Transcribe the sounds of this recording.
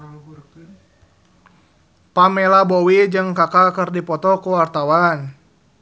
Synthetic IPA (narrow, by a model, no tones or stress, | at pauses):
pamɛlabɔwid͡ʒɨŋkakalkɨrdipɔt̪ɔkuwart̪awan